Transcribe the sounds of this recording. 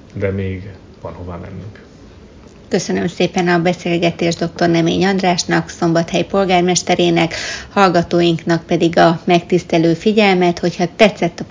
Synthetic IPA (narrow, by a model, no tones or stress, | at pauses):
d̪ɛmeːɡ | vɒ̰nhova̰ːmɛ̰nːyŋk | kø̞sø̞nø̞mseːpɛnɒbɛseːlɡɛt̪eːʒd̪o̞k̚t̪o̞rnɛmḛːɲɒnd̪raːʃnɒkso̞mbɒt̪hɛjpo̞lɡaːrmɛʃt̪ɛɾeːnɛkhɒlɡɒt̪oːjiŋknɒk̚pɛd̪iɡɒmɛkt̪ist̪ɛløːfiɟɛlmɛt̪ho̞chɒt̪ɛt̪sːɛt̪ːɒ